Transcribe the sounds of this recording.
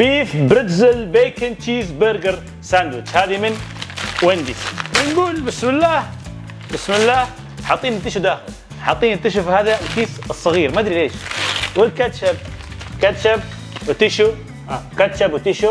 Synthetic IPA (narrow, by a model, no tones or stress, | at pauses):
b̥iːfbɾɪt̪zɪlbeːkɪnt͡ʃiːzbəɾɡɪɾ | sand̪wɪt͡ʃhaːðimɪnwɪnd̪iswɪnɡuːlbɪsmɪlːaːh | bɪsmɪlːaːh | ħɑt̪ˤːiːnt̪ːɪʃud̪aːxɪl | ħɑt̪ˤːiːnɪt̪ːɪʃʊfhaːðalkiːθɨsˤːɑɣiːɾmad̪ɾileːʃwɪlkat̪ʃab̚ | kat̪ʃab̚ | wɪt̪ɪʃu | akat̪ʃabwɪt̪ɪʃu